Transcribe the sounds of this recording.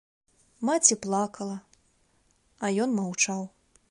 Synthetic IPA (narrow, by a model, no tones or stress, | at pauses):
mat͡sʲiplˠakɐlˠɐ | ɐjɔnmawt͡ʂaw